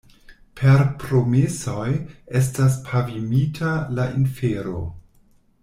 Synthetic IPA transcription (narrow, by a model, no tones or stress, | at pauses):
pʰe̞ɾpɾo̞mesojes̬tas̬pʰavimitʰalaʔinfeɾo̰